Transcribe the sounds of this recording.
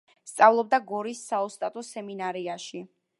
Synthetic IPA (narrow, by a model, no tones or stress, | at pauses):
st̪sʼavlˠɔb̚d̪aɡɔɾisːaɔst̪ʼat̪ʼɔsɛminaɾiaʃi